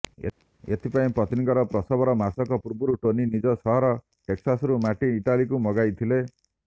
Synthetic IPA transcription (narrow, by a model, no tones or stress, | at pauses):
ḛt̪ʰipaĩpɾɔt̪inikɔɾɔpɾɔsɔbɔɾɔmasɔkɔpuɾbuɾuʈoninid͡ʒɔsɔɦɔɾɔ | ʈeksasɾumaʈiːʈalikumɔɡajt̪ʰile